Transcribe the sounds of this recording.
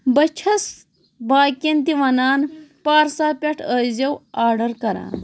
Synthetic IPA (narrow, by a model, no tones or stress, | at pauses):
bɐt͡ʃʰɐs | baːkʲɐnt̪̬iʋɐnaːnpaːɾsaːpʲɐʈʰəzɐwaːɾɖɐɾkɐɾã̰ː